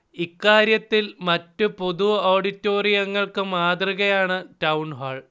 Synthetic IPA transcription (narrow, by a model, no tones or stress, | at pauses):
ikːaːɾjɐt̪ːilmɐtːupo̞ðuoːɖitːo̞ːrijɐŋːɐɭkɨmaːd̪riɣɐjaːɳɨtɐwuɳɦaːɭ